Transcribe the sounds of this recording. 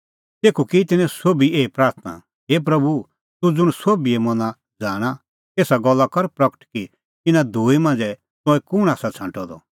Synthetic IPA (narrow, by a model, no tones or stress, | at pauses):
t̪eːkʰukit̪ɪnɛ̃soːbieːipɾaːɾt̪ʰna̰ | ɦeːp̬ɾɐbu | t̪ud͡zʊɽ̃soːbiɛmɔ̃na | d͡zaːɽ̃a | k̪eːsaɡɔlːakɐɾpɾɐkə̥ʈki | t̪ɪnãd̪ʱuːimãːnd͡zɛ | t̪ʊ̃ɛ̃kʊɽ̃aːsat͡sʰãːɳʈʰɔd̪ɔ